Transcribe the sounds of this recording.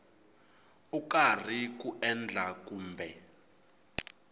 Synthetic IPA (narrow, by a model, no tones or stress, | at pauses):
ukʼar̤ik̬ʼuʔɛnd͡ɮʱak̬ʼuːmbʱɛ